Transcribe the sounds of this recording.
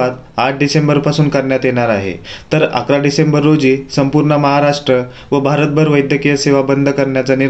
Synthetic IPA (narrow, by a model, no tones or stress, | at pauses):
at̪̚ | aʈ̚ʰɖisembəɾpasuːnkəɾɳjat̪jeɳ̃aɾaɦḛt̪əɾa̰kɾaɖisembəɾːod͡ʑiːsəmpuɾɳəməɦaɾaʂʈɾə | ʋəbʱaɾət̪̚bʱəɾʋəjd̪ʱjəkijəseʋabənd̪ʱəkəɾɳjat͡sani